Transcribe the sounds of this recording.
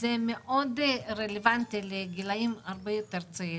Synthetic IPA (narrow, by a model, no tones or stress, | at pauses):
zemeʔod̪ɾelevant̪ileɡilajimaɾbejot̪eɾt͡sai